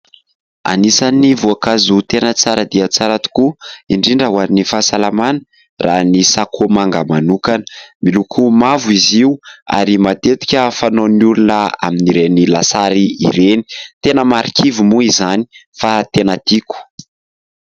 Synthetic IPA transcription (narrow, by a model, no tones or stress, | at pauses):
a̰nisanivuakazut̪enət͡saɾəd̪iat͡saɾat̪u̥kuiɳɖ͡ʐiɳɖ͡ʐaɦwanifasalamanə̥ | rʔanisakʰomaŋɡəmanukanə̥milukʰumavuiziua̰ɾimat̪et̪i̥kʲəfanonulunəa̰miniɾenilasaɾiḭɾeni̥t̪enəmaɾikʰivumuizani̥fat̪enad̪̥iku̥